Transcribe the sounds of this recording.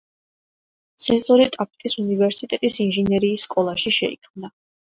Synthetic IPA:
t̪sʰɛnsʼɔɾit̪ʼapʰt̪ʼisunivɛɾsit̪ʼɛt̪ʼisinʒɛnɛɾiːsːkʼɔlˠaʃiʃɛ̰ḭkʰmna

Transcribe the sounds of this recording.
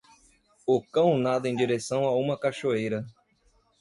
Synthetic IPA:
ʊkɐ̃w̃nad̪ʊẽj̃d͡ʒiɾesɐ̃w̃aũmɐkaʃoejɾɐ

